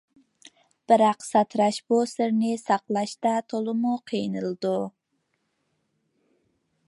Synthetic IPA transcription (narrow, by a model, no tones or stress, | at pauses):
b̥ɪɾɑqsɑt̪ʰɾɑʃbusɪɾnɪsɑqlˠɑʃt̪ɑt̪ʰolˠɨmuqʰijnɨlˠd̪u